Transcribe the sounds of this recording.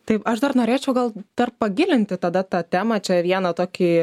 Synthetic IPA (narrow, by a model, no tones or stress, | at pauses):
t̪ɐɪɐʃd̪ɐrnoːɾʲeːt͡ʃʲɛʊɡɐlˠd̪̥ɐrpɐɡʲɪlʲɪnʲt̪ʲɪt̪ɐd̪ɐt̪ɑːt̪ʲæːmɐt͡ʃʲɛʋʲiɛnɐt̪oːkʲiː